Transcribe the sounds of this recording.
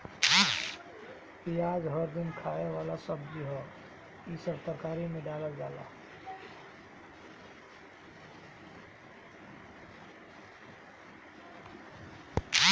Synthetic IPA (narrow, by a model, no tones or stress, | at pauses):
kiaːd͡ʒɦəɾd̪ɪnkʰaːeʋaːlasəbːiɦɛ | isəɾt̪əkaːɾimẽɖaːləld͡ʒaːla̰